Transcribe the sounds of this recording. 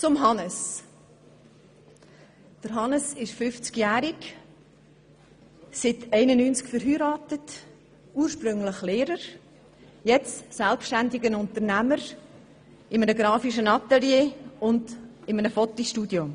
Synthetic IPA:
t͡sʊmɦɑnəs | d̥əɾɦɑnəsɪʃfʏft͡skjæːɾɪk | sɪtɛɪnənyːnt͡skfəɾɦyːɾɑːtət | uːɾʃpɾʏŋləχleːɾəɾ | jɛt͡stsɛlpʃtændɪɡənʊnt̪əɾnæməɾ | ɪmənəɡɾɑːfiʃənɑt̪ɛljeːʊndɪmənəfɔt̪ːiʃtudjom

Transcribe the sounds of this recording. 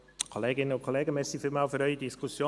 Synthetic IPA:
kʰoleːɡɪnənʊnkʰoleːɡəmɛːsifymaʊfəɾœʏədiskʰusjoː

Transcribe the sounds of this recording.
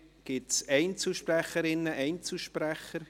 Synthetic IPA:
ɡ̥ɪtsɛɪnt͡suʃpræχəɾɪnːəʔɛɪnt͡sl̩ʃpræχəɾ

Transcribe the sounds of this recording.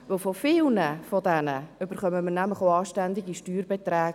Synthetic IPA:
vɵlfofɪlnəfodɛnəʏb̥əɾχœməmənæmləχoɑːʃtændɪɡiʃtyːrbet̪rɛːɡ

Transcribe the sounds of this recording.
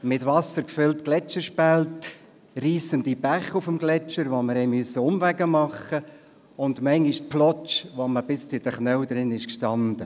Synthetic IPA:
mɪtʋɑsəɾkfʏltklɛt͡ʃəɾʃpælt | riːsənd̪ibæχufəmɡlɛt͡ʃəɾʋoməɾhɛɪmysːəʊmvæɡəmɑχə | ʊnd̪mɛɪŋɡɪʃplɔt͡ʃʋoməbɪst͡sɪd̥̪əχnœwd̪ɾɪnɪʃkʃtɑnd̥̪ə

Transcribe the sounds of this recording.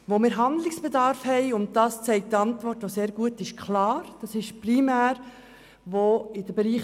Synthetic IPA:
ʋomɪːɾɦɑnd̪lɪksb̥ɛdɑːɾfhɛɪʊnt̚d̥ɑːst͡sɛɪk̚tɑntʋɔrtʋoseːɾɡ̥uətɪʃkʰlɑːɾd̥ɑsɪʃprimæːɾ | ʋoɪd̥əbɛɾiːχ

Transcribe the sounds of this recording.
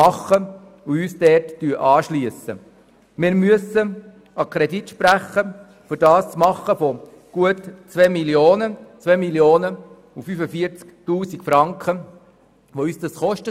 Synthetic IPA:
ɑχə | uyːsdɛrttyəʔɑːʃlyəsə̰ | mɪɾmyəsə | ɑkʰɾɛditʃpɾæχːə | fʏɾdɑːst͡smɑχːəfɔ | ɡ̥uətt͡sʋɛːmiljoːnət͡sʋɛmiljoːnə | ufyfəfiəɾt͡sktuːsikfɾɑŋkχə | ʋoyːsdɑsχɔʃtə

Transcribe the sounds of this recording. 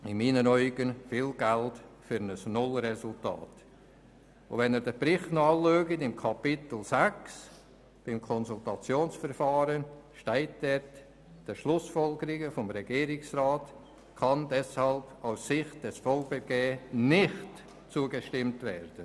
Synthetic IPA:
ɪmiːnənɔʏɡənfiːlɡ̥æltfyɾnəsnʊlrɛsʊlta̰ːt | ʊ̰vɛnɛɾdəpɾɪχtnoɑløːɡətɪmkʰɑpɪtl̩zæks | b̥ɪmkʰɔnsultɑt͡sjoːnsfəɾfɑːɾənʃtɛɪtd̥ɛt | d̥əʃlʊsfɔlɡəɾɪɡəfɔmɾɛɡ̥iːɾɪksraːt | kʰɑndɛshɑlb̥aʊsːɪχt̚d̥ɛsfɔlkbəɡeːnɪχt | t͡suəɡəʃtɪmtvɛːɾd̥ən

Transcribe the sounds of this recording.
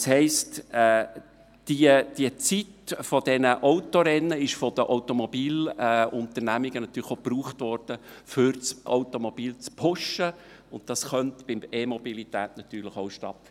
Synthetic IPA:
shɛɪstɛː | d̥iəd̥iət͡sitfɔd̥ɛnəʔoʊtoɾɛnːəɪʃfɔd̥̪əʔoʊtomɔbiːlɛʊnt̪ərnæmiɡ̥ənɑt̪ːyːɾləχopruːχt̪ʋɔrd̥əfʏɾt͡so̰ʊtomɔb̥iːlt͡spʰʊʃə | ʊnt̚d̥ɑsχœntb̥ɪmemɔbilit̪æːtnɑt̪yːɾləχoʊʃtɑt̪ː

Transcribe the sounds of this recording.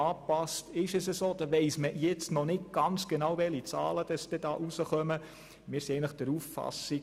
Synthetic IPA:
ɑːpɑstɪʃəsəsoːd̥̪ɑʋɛɪsməjɛt͡stnɔnɪt̚ɡ̥ɑnt͡sɡ̥enɑwvɛlit͡sɑ̰ːləd̥ɑsd̥̪ɛd̥ɑ̰ːʔusəχœmə | mɪːɾsiɛɪɡnləχd̥̪əɾuffɑ̰si

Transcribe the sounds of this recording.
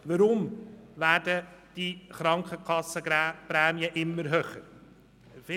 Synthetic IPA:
ʋəɾʊmʋæːdəd̥iχɾɑŋkχəkʰɑsːəpɾɛːmiəʔɪmːəɾɦøːχəɾ | fɪ

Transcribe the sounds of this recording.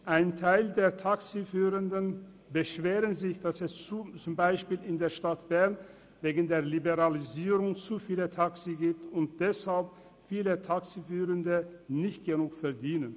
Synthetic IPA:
ʔaɪntʰaɪldeːɐtʰaksifyːʁəndən | bəʃv̥eːʁənzɪçd̥asɛst͡sut͡sʊmbaɪʃpiːlɪndeːɐʃtatb̥ɛɐn | veːɡən̩deːɐlibeʁaliziːʁʊŋt͡sufiːlətʰaksiɡiːp̚tʊnt̚d̥ɛshalp | fiːlətʰaksifyːʁəndənɪçt̚ɡ̥ənuːkfɛɐdiːnən

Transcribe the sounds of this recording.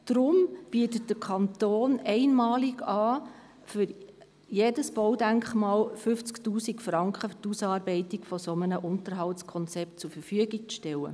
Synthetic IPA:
d̥ɾʊmb̥iətət̚d̥əkʰɑntoːnɛɪnmɑːliɡɑː | fyɾ | jedəsb̥ɔwdæŋkχmɑːlfʏft͡sktuːsikfrɑŋkχəftusɑːɾbɛɪtikfɔsomənəʔʊntəɾɦɑltskʰɔnt͡sɛp̚tt͡sufəfyəɡik̚t͡sʃtɛwə̰

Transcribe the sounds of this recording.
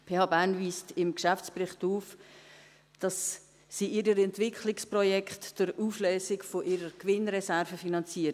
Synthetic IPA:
pʰeːhɑːbænviːstɪmkʃæft͡sprɪχtuːf | d̥ɑs | siːʔiɾəɾɛntvɪkʰχlɪksprɔjɛkχtd̥ʊɾuːfløːsɪkfoʔiɾəɾkʋɪnɾɛsɛɾvəfinɑnt͡siːə

